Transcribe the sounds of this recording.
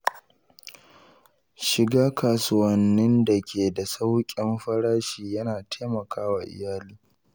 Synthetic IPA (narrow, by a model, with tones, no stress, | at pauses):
ʃɪ˨ɡaː˦kaː˨sʊ˦wɐ˨nːɪ˦nda˨kʲʰeː˨da˨sa˦wkʲʼɪ˦mɸɐ˦ɽaː˦ʃiː˨jɐ˦naː˨tʰaː˦mɐ˨kʰaː˦waː˨ʔɪ̰˨jaː˦liː˦